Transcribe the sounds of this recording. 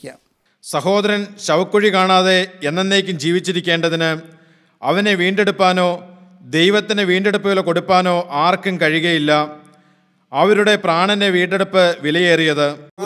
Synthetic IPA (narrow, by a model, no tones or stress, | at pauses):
sɐɦo̞ːðɐɾɐnɕɐʋɐkːoɻikaːɳaːðe̞enːenːeːkʲːumd͡ʑiːʋit͡ɕːiɾikʲːe̞ːɳɖɐðinɨ | ɐʋɐne̞ʋiːɳɖe̞ɽupːaːno̞ː | d̪e̞jʋɐt̪ːinɨʋiːɳɖe̞ɽupːɐʋilko̞ɽupːaːno̞ːʔaːrkɨmkɐɻiɣɐjilːɐ | ɐʋɐɾuɽe̞praːɳɐndeʋiːɳɖe̞ɽupːɨʋilɐjeːrijɐðɨ